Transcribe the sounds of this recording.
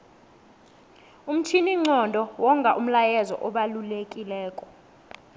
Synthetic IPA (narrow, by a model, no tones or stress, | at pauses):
um̩tʰiniŋ͡ǀɔndʱɔwɔŋkʼaʔum̩lajɛzɔ̰ʔɔɓalulekʼilɛːkʼɔ̥